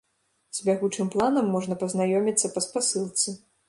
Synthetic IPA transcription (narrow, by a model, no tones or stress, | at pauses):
z̥ʲbʲaɣut͡ʂɨmplˠanɐmːɔʐnɐpɐznajɔmʲit̪sːɐpɐspasɨlˠt̪sɨ